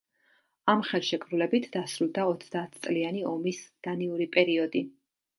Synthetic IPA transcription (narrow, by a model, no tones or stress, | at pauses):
amχɛlˠʃɛkʰʼɾulɛbit̪ʰd̪̥asɾulˠd̪aɔt̪sʰd̪aːt̪ʰt̪sʼlianiɔmisd̪̥aniuɾipʼɛɾiɔd̪i